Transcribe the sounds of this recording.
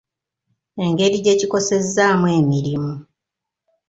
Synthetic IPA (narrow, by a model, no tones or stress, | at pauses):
e̞ŋɡe̞ɾiɟe̞ciko̞se̞zːaːmwe̞ːmiɾimu